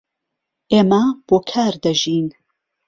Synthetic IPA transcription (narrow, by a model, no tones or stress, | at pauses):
ʔeːmɐb̥oːkʰaːɾd̪ɐʒiːn